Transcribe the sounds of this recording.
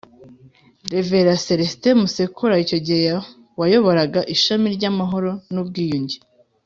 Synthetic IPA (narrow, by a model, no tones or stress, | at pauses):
deveɾaseɾestemusekʰuɾaico̞ɟieja | wajo̞βoɾaɡaʔiʃamiɾɟamaɦo̞ɾo̞nub̚ɡiːjuɲɟi